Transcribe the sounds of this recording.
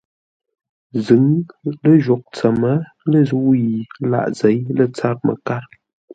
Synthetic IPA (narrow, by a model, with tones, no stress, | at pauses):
zɨ˨˦ŋlə˦ʒɔ˨k̚t͡sə˨mə˦ | lə˦zu˦ʔji˨la̰˦˨ʔze˨˦jlə˦˨t͡sa˦p̚mə̰˨ka˦ɾ